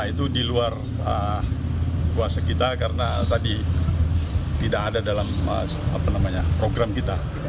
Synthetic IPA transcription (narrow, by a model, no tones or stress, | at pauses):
ait̪udiluar | ə | kuasakit̪akarənat̪adi | t̪idakadadalamə̰ | a̰panamaɲapɾoɡɾamkit̪a